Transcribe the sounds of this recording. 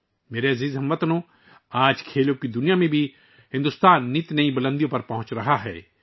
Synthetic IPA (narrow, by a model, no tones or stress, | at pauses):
meːɾeɐziːzɦɐ̃mʋɐt̪nõ | aːd͡ʒkʰeːlõkid̪ʊnijamẽbʱi | hɪ̃nd̪ʊst̪aːnːit̪nɐĩbɐlə̃nd̪ijõpɐɾpɐɦʊ̃t͡ʃɾɐɦaɦɛ̰ː